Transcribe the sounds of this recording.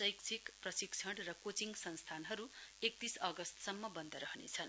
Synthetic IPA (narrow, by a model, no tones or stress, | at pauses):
sʌjkt͡sʰikprʌsikt͡sʰʌɽrʌkot͡siŋɡsʌnst̪ʰanɦʌɾuek̚t̪isʌɡʌst̪sʌmːʌbʌnd̪ʱʌɾʌɦnḛt͡sʰʌn